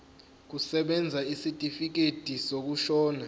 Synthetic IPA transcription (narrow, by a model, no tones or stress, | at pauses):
k̬usɛɓɛnd͡zʱaisitʼifik̬etʼisok̬uʃɔːna